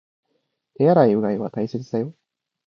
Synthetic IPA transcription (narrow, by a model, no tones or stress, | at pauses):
ejaɾaiɯ̟ɡaiβa̰t̪aise̞t͡sɨd̪ajo̞